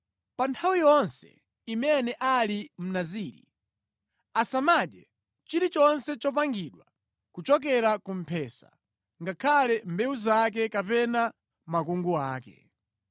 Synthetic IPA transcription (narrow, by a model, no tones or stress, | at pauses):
pantʰawijɔnsɛ̰ | imɛnɛʔalim̩naziːɾḭ | asamaɗɛ | t͡ʃiɾit͡ʃɔnsɛt͡ʃɔpaŋɡiɗwa | kut͡ʃɔk̬ɛɾakum̩pʰɛːsa̰ | ŋɡakʰalɛmbɛuzak̬ɛkapɛna | makuŋɡuaːkɛ̰